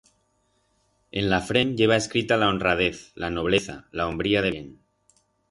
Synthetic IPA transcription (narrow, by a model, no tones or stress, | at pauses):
enlafɾenʎeβ̞aeskɾit̪alaonrað̞eθlanoβ̞le̞θa̰laombɾiað̞een